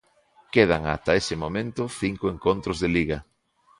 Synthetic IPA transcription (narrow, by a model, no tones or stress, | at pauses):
keð̞aŋa̰t̪ɐesɪmomẽnt̪ʊθiŋkoeŋkont̪ɾʊzðeliɣɐ